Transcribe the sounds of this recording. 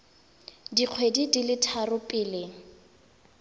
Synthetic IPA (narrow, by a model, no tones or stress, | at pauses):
diq͡χʰwedidilɪtʰarʊpʼɪːlɪŋ